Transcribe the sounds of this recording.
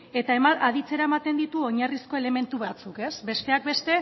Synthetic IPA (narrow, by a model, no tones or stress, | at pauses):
e̞t̪aemaðit͡se̞ɾaemat̪e̞nd̪it̪uo̞ɲarisko̞e̞le̞me̞nt̪uβat͡suke̞sbe̞st̪e̞ak̚be̞st̪e̞